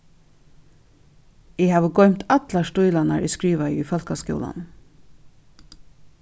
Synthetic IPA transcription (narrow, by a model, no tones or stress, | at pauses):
ɪhɑːʋəɡɔʏmt̪ɑt̪lastʊʏlanaɹʔɛskɹiːʋaḭifɔlkaskjɔ̰la̰n